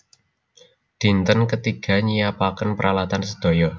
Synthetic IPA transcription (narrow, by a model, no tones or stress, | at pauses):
d̪̥i̤nt̪ənkət̪iɡ̥a̤ɲijapakənpəɾʔalat̪ansəd̪̥o̤jɔ